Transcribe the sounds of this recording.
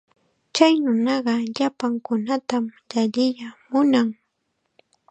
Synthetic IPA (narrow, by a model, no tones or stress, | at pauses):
t͡ʃajnʊnɑɢɑʎapaŋkʊnat̪amʎaʎɪjamʊnaŋ